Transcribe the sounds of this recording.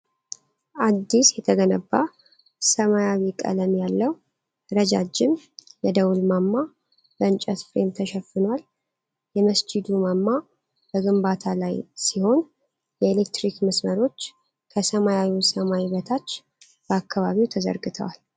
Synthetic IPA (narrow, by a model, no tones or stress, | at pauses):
ʔad̪ːisjɛt̪ʰəɡənəbːa | səmajawikʼə̰ləmjalːəw | ɾəd͡ʒad͡ʒːɪmjɛd̪əwulmamːa | bəɨnt͡ʃʼət̪fɾe̞mt̪ʰəʃɛfːɨnwal | jɛməsd͡ʒɪd̪umamːa | b̥əɡɨmbat̪ʰalajsiho̞n | jɛelekt̪ɾikməsməɾo̞t͡ʃː | kʰəsəmajawisəmawiβət̪ʰat͡ʃː | b̥əakːaβaβiwt̪ʰəzə̰ɾɡɨt̪ʰə̰wal